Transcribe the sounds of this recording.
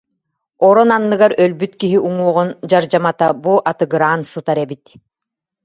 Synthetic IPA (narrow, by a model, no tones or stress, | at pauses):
ɔɾɔnanːɯɡaɾœlbyt̪kiɦiʔuŋuɔʁund͡ʑaɾd͡ʑamat̪abuʔat̪ɯɡɯɾaːnsɯt̪aɾɛbit̪